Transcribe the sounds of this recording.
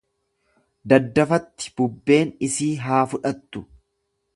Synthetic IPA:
d̪ɐd̪ːɐfɐt̪ːɪ̥b̥ʊbːe̞ːnɪsiːɦaːfʊᶑɐt̪ːʊ̥

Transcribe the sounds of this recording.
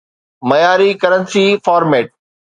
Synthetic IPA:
mɐjaːɾikɐɾənsifaːɾmɛːʈ̚

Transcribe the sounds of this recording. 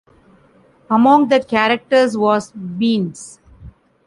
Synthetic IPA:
əmɔ̃ŋɡd̪əkæɾək̚ʈəɾzʋɔːzbĩːns

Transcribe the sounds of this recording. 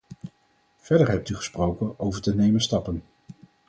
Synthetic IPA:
v̥ɛɹdəɹɦɛp̚tyχə̥sprowkənowvəɹtənejmənstɑpən

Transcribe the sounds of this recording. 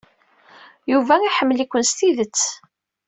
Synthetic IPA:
juvæiħəmːlikʷːənst̪iðət͡sː

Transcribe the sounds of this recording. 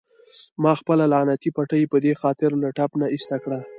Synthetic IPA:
mɑxpəlalanat̪ipaʈəjpəd̪exɑt̪ɪɾlaʈapnaist̪akɽa

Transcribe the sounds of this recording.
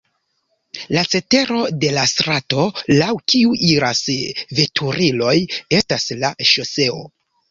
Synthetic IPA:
lat͡se̞te̞ɾo̞de̞lastɾato̞lawkiuʔiɾasve̞tʰuɾilo̞je̞staslaʃo̞se̞o̞̰

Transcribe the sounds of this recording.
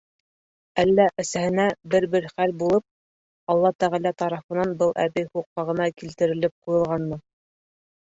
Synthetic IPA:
ælːæʔɘ̆sæhɘ̆næbɘɾbɘɾχælbulˠɤp̚ | ɑlˠːɑt̪æʁælæt̪ɑɾɑfɤ̆nɑnbɤlˠʔæ̰bɘjχuq̚ːɑʁɤ̆nɑkilt̪ɘ̆ɾɘ̆lɘp̚qujɤ̆lˠʁɑnːɤ

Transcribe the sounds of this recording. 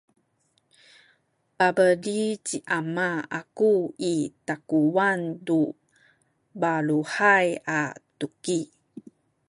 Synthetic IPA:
pabəlit͡ɕiʔamaakuitakuwandu | baɭuħajatuki

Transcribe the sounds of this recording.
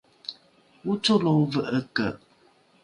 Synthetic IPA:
wut͡ʃolovəʔəkəʔ

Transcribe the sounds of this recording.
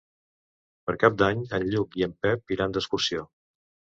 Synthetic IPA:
pəɾkap̚d̪aɲənʎukiəmpɛp̚iɾand̪əskuɾsio

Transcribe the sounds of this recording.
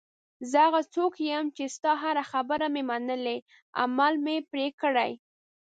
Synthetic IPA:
zəaɣat͡sokjəmt͡ʃest̪ɑɦaɾaxabəɾamemanəle | a̰malmepɾekəɽaj

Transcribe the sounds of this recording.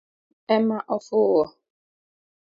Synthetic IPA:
ɛmaʔɔfowɔ

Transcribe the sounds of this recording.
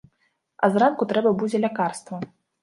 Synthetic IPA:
ɐ̰zrankut̪ɾɛbɐbud͡zʲɛlʲakarst̪vɐ

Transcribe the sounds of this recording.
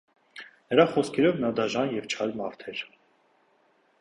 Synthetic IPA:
nəɾɑχɔskʰɛɾɔvnɑd̪ɑʒɑnjɛvt͡ʃʰɑɾmɑɾt̪ʰɛɾ

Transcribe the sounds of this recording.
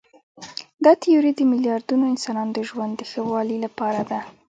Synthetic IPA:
d̪ɑt̪ɪjuɾid̪əmɪljɑɾd̪unoɪnsɑnɑnod̪əʒwand̪ːəxəwɑlilapɑɾad̪a

